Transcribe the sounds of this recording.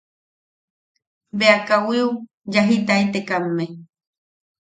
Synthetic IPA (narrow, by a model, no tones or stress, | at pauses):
beakawiu | d͡ʒaɦit̪ait̪ekamːe